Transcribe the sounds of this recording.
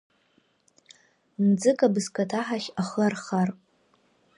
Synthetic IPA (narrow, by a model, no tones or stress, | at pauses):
md͡zɨkʼabɨzkʰʼatʰaħaχʲaχarχarʼ